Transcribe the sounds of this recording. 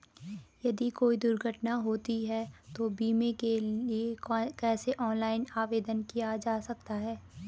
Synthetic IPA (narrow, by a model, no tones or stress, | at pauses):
jɐd̪ikoːid̪ʊɾɡʱəʈnaɦoːt̪iɦɛt̪obiːmekeliekɛːseʔɔːnlaːɪnaːʋeːd̪ənkijad͡ʒaːsɐk̚t̪aɦɛː